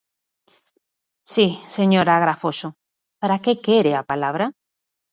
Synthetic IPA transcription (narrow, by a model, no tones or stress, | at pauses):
siseɲoɾaɣɾafoso | paɾakekeɾeapalaβ̞ɾa